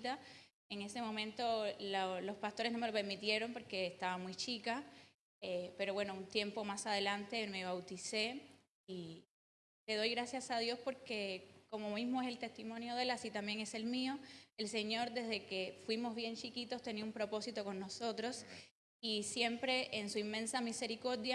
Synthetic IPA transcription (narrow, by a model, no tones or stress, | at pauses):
t̪a | eŋe̞se̞mõ̞mẽnt̪o̞lolo̞spast̪o̞ɾeznome̞lo̞peɾmit̪je̞ɾo̞mpo̞ɾke̞ːst̪aβamujt͡ʃika | epe̞ɾoβwe̞no̞unt̪je̞mpo̞masaðe̞lant̪e̞me̞β̞awt̪ise̞ | i | t̪e̞ð̞o̞jɣɾasjasaðjo̞spo̞ɾke̞ko̞mo̞mizmoeselt̪e̞st̪imõ̞njo̞ðe̞lasit̪ambjeŋe̞se̞lmio̞e̞lse̞ɲo̞ɾd̪e̞zðe̞ke̞fwimo̞zβje̞nt͡ʃikit̪o̞st̪e̞niaumpɾo̞po̞sit̪o̞ko̞nno̞so̞t̪ɾo̞s | isje̞mpɾe̞ʔːnsuimːẽ̞nsamise̞ɾiko̞ɾðja